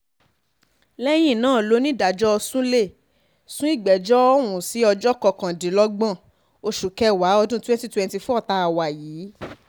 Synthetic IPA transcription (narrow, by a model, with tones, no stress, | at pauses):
lɛ˦j̃ĩ˦˨nãː˦˨lo˨˦nĩ˦da˨d͡ʒɔ˦ɔ˧sũ˦le˦˨ | sũ˦i˦˨ɡ͡bɛ˨d͡ʒɔ˦ɔ˦wũ˨si˨˦ɔ˧d͡ʒɔ˦kɔ˧kã˨di˨˦lɔ˦ɡ͡bã˦˨ | o˧ʃu˨kɛ˧wa˨˦ɔ˧dũ˦twɛ̃˦n˦ti˦tɛ̃˧n˦ti˧fɔ˦ɔ˦˨ta˧a˨wa˨jiː˨˦